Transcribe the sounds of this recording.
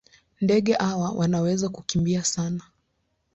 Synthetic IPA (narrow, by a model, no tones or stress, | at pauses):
ndɛɠɛʔawawʔanawɛzakukimbiasana